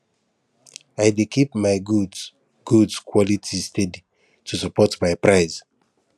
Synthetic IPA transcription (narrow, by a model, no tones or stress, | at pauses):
ajdekʰipmaɪɡud | ɡ̥udskʰwɔlitʰistʰedi | tʰusapɔtmaɪpɹaɪz